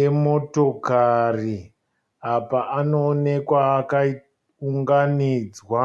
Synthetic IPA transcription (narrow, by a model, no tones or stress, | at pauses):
emo̞to̞kari | apaʔanoːne̞kwaːkai | uŋɡaniːd͡zwa